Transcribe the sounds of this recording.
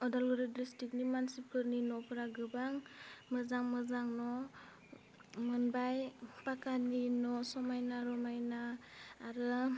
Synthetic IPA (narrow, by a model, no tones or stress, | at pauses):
ɔdalɡɯɾɯdistik̚nimansip̚ʰɯɾninɔpʰɯɾaɡɯbaŋmɯzaŋmɯzaŋnɔ | mɯnbajpakaninɔsɔmajnaɾɔmajnaːɾɯ